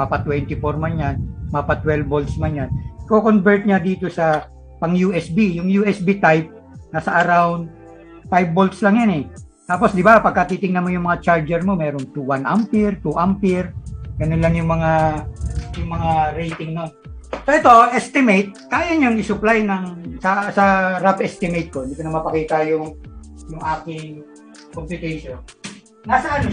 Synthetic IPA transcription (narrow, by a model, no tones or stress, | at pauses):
mapat̪wɛnt̪ɪfoɾmɐnjanmapɐt̪wɛlbolt̪smɐnjankokonbɛɹt̪̚ɲad̪iːt̪o̞sɐ | pɐŋjuːʔɛsbijʊŋjuʔɛsbit̪ajp̚ | nɐsɐʔɐɾawnd̪ | fajb̚ːolt̪slɐŋjanɛ | t̪aːpo̞sd̪ɪbapɐɡ̚kːɐt̪iːt̪ɪŋnɐnmo̞jʊŋmɐŋat͡ʃaɹd͡ʒɛɾmo̞mɛːɾoŋt̪uwanʔampɪɹt̪uʔampɪɹɡɐnonlɐŋjʊŋmɐŋa | jʊŋmɐŋaɾejt̪ɪŋnonsoʔɛt̪o̞ʔɛst̪ɪmejt̪̚kaːjɐɲaŋɪsʊplajnɐŋsɐsɐɾapʔɛst̪ɪmejt̪̚koɪnd̪iːkonɐmɐpɐkiːt̪ɐjʊŋjʊŋʔaːkɪŋ | kompʊt̪ɛʃonː | asɐʔɐno